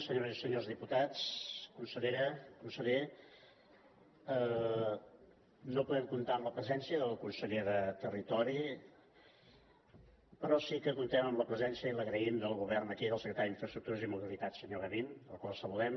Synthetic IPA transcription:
səɲoɾzisəɲozðiput̪at͡skunsəʎeɾəkunsəʎe | ə | nopuðɛmkunt̪aəmləpɾəzɛnsiəðəlˠkunsəʎeðət̪ərit̪ɔɾi | pɾɔsikəkunt̪ɛməmləpɾəzɛnsiəiləɣɾəimd̪əlˠɣuβɛrnəkiðəlˠsəkɾət̪aɾiɱfɾəst̪ɾuk̚t̪uɾəzimuβilit̪asəɲoɣəβinəlˠkwalˠsəβuðɛm

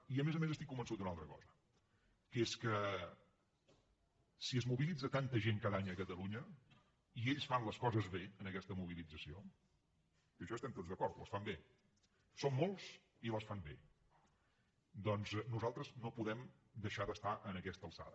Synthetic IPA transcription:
iəmezəmezəst̪ikːumbənsut̪unalˠt̪ɾəkɔzə | keskə | siəzmuβilid͡zət̪ant̪əʒeŋkaðaɲəkət̪əluɲə | ieʎsfanləskɔzəzβeənəkɛst̪əmuβ̞ilid͡zəsio | iəʃɔst̪ɛmt̪od͡zðəkɔɾt̪ləsfambe | somːolˠs | iləsfambe | d̪ɔnznuzalˠt̪ɾəznopuðɛm | d̪əʃaðəst̪aʔənəkɛst̪əlˠsa̰ðə

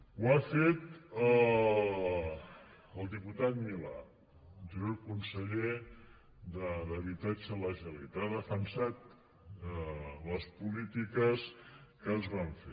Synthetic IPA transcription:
wafet̪ə | əlˠd̪iput̪at̪̚mila̰ | ʒəzukunsəʎe | d̪əðəβit̪ad͡ʒələʒəlet̪aðəfənsat̪ | ələspulit̪ikəskəzβaɱfe

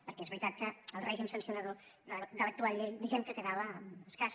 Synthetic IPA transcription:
peɾkeezβɾit̪at̪̚kaalreʒimsansjonaðoðaðalek̚t̪uaʎed̪iɣemkek̪eðaβaeskas

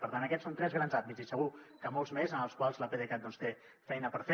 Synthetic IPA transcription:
pəɾt̪anəkɛtt͡ssont̪ɾɛzɣɾanzambizisəɣ̞ukəmɔlˠzmezənəlˠskwalˠzləpeðekat̪̚ɔnst̪e | fɛjnəpəɾf

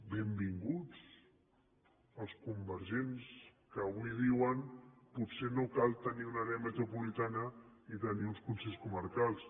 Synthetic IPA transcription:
bembiŋɡut͡s | əlˠskumbəɾʒenskəːβuiðiwənputsenokalˠt̪əniunəɣɛmət̪ɾupulit̪anə | it̪əniunskunseʎskuməɾkalˠs

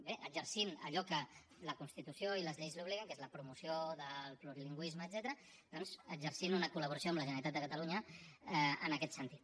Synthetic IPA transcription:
beʔəɡzəɾsinə̰ʎɔkə | ləkunst̪it̪usjoiləzʎejzluβ̞liɣəŋkezləpɾumusjoðəlˠpluɾiliŋɡwizməːd̪zɛt̪əɾə | d̪ɔnzəɡzəɾsinunəkuləβuɾəsjoəmləʒənəɾit̪at̪d̪əkɐt̪əluɲə | ə̰nəkɛt̪sənt̪it̪

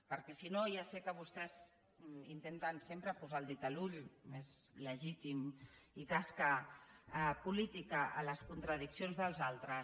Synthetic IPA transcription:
pəɾkɛsinojasɛkəβ̞ust̪ɛz | int̪ent̪ənsempɾəpuzalˠd̪it̪aluʎmezləʒit̪imikaska | pulit̪ikəʔələskunt̪ɾəðiksionzðəlˠzalˠt̪ɾə

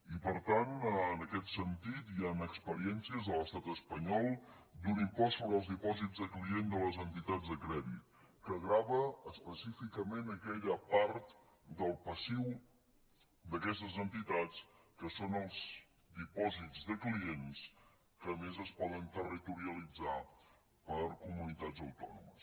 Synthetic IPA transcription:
ipəɾt̪anənəkɛt̪sənt̪it̪ianəkspəɾiɛnsiəzðələst̪at̪əspəɲɔlˠd̪unimpɔsoβɾəlˠzðipɔzid͡zðəkliend̪ələzənt̪it̪ad͡zðəkɾɛðḭt̪̚kəɣɾaβəːspəsifikəmenəkɛʎəpaɾt̪ | d̪əlˠpəsiw | d̪əkɛs̬t̪əzənt̪it̪at͡skəsonəlˠz | d̪ipɔzid͡zzðəkliens | kəːmezəspɔðənt̪ərit̪uɾiəlid͡za | pəɾkumunit̪ad͡zəwt̪ɔnṵmə̰s

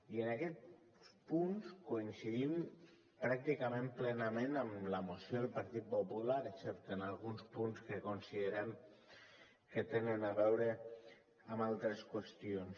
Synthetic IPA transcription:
iənakɛt̪ | spunskoinsiðim | pɾak̚t̪ikamẽmplɛnəmẽnəmləmosjoðelˠpaɾt̪it̪̚populaɾeksɛp̚t̪enalˠɣunspunskəkonsiðəɾɛm | ket̪enənaβɛwɾe | amalˠt̪ɾeskwəst̪ions

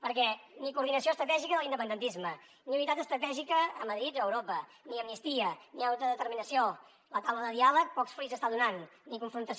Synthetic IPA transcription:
pəɾkɛnikuɾðinəsioəst̪ɾət̪ɛʒikəðəlˠind̪əpənd̪ənt̪izmə | niunit̪at̪əst̪ɾət̪ɛʒikəːməðɾit̪əwɾopə | niəmnist̪iəniawt̪əðət̪əɾminəsio | lət̪awləðəðialək̚pɔksfɾujzəst̪aðunanːikuɱfɾunt̪əs

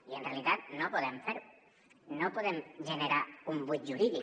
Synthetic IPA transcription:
ienrealit̪at̪̚nopoð̞emfeɾ | nopoðemʒeneɾaumbut̪̚ʒuɾiðik

